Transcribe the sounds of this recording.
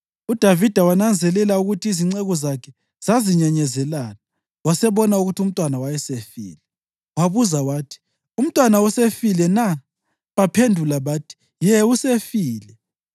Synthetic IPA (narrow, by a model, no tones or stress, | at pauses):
ud̥ʱavid̥ʱawanand͡zʱɛlɛlauɣutʰiːziŋ͡ǀɛɣɔzakʰɛ | z̥aziɲaɲɛzɛlala | wasɛβɔnauɣutʰium̩tʼwanawajɛsefḭːlɛ | waβuzawaːtʰi̥ | um̩tʼwanausefilɛna | βapʰendʱulaβaːtʰi̥ | jɛusefiːlɛ